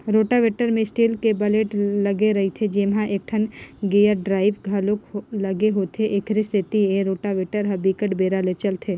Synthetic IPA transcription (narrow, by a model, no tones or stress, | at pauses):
ɾoːʈaʋeːʈəɾmẽsʈiːlkebɐleːʈlɐɡeɾɐɦit̪ʰed͡ʒeːmɦãʔeːk̚ʈʰənɡejəɖɾaːɪʋɡʱaloklɐɡeɦoːt̪ʰeʔeːkʰɾist̪ʰɪt̪ieɾoːʈaʋeːʈəɾɦɐbikəʈbeːɾalet͡ʃəlt̪ʰeː